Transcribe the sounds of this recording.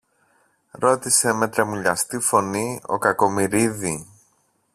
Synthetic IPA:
ɾo̞t̪ise̞me̞t̪ɾemuʎɐst̪ifo̞nio̞̰kɐko̞miɾiði

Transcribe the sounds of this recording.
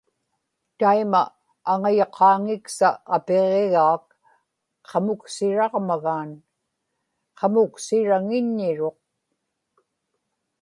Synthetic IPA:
t̪aimaː | ŋajoqʰɑːŋɪksaapeʁeɣaːk̚ | qʰɑmʊksɪɻɑʁmaɣaːn | qʰɑmʊksɪɻaŋɪɲːɪɻo̞q̚

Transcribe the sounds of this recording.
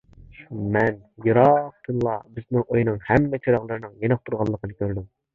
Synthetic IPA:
mɛn | jɨɾɑq̚t̪ʰɨnlˠɑ̰bɪznɪŋʔojnɨŋhɛmːɛt͡ʃʰiɾɑʁlˠɨɾɨnɨŋjenɨq̚t̪ʰuɾʁɑlˠːəqʰənɨkʲʰøɾd̪ym

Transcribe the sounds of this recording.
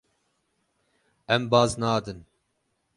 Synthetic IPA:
ɛmbɑːznɑːd̪ɨn

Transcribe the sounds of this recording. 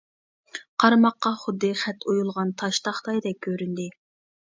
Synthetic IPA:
qʰɑɾmɑqːɑχʊd̪ːɨχɛt̪ʰujulˠʁɑnt̪ʰɑʃt̪ɑχt̪ɑjd̪ɛk̚ʲʰːøɾynd̪ɪ

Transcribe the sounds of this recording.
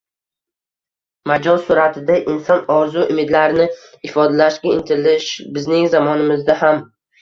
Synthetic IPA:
mad͡ʒɒnsʊɾat̪ʰɪd̪aʔɪnsɒnɒɾzuʔʊmɪd̪laɾɪnɪ | ɪfɒd̪alaʃɡʲaɪnt̪ʰɪlɪʃbɪznɪŋzamɒnɪmɪzd̪aham

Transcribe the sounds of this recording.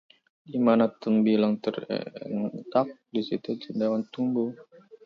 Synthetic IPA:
dimanat̪əmbilaŋt̪ərɛ̰nt̪ak̚disit̪ut͡ʃind̪awant̪umbu

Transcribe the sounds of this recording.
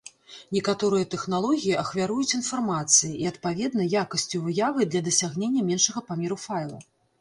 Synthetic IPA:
nʲɛkat̪ɔɾɨjɐt̪ɛxnalˠɔɣʲijiɐxvʲaɾujut͡sʲinfarmat̪sɨjiiɐt̪̚pavʲɛd̪nɐjakɐsʲt͡sʲuvɨjavɨd̪lʲɐd̪ɐsʲaɣnʲenʲːɐmʲɛnʂɐɣɐpamʲeɾufajlˠɐ̰

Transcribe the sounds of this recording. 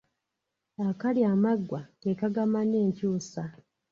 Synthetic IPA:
akaljaːmaɡːwaɡekaɡamanːe̞ːɲcuːsa

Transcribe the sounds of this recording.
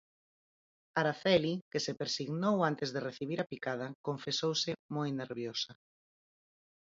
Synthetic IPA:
aɾaθɛlikesepeɾsiɣnowant̪ezðereθiβiɾapikað̞ɐkoɱfesowsɪmojneɾβjosɐ

